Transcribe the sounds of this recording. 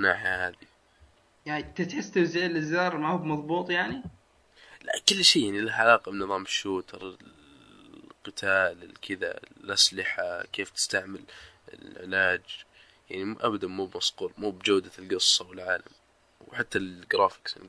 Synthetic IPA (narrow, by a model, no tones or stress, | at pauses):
naːħahaːði | jait̪ɪt̪ħɪst̪awzeːlʔɪzːɑːɾˤmahuːbmɑðˤbuːt̪ˤjaʕni | la̰kʊlːʃiːjaʕnilaʕalɑːqɑbnɨðˤɑːmɪʃːuːt̪ʰɑɾˤɪ | qɨt̪ʰaːlɪlkʰɪða̰lʔaslɪħakeːft̪ɪ̥st̪aʕmɪlɪ̰lʕɪ̰laːd͡ʒ | jaʕnimuʔabad̪amuːbmɑsquːɾmuːbd͡ʒawd̪alɡɨsˤːɑwɪlʕaːla̰m | wħat̪ːaɡɾɑːfɪ̥ks